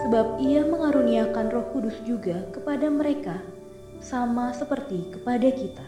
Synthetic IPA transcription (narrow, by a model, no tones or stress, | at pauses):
səbap̚iaməŋaɾuniakanrɔhkudʊsd͡ʒuɡakəpadaməɾeka | samasəpərt̪ikə̥padakit̪ḁ